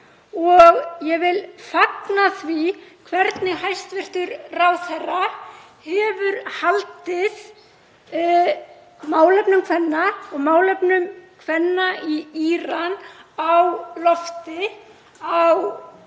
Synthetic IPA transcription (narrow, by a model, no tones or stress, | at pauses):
ɔɣjɛɣvɪlfaknaθvikʰvɛɾt̪nɪɦajst̪vɪr̥t̪ʏɾrawθɛrːa | hɛvʏɾhalt̪ɪð | maːwlɛpnʏmkʰvɛnːaɔɣmaːwlɛpnʏmkʰvɛnːaiiɾanawlɔft̪ɪ | aw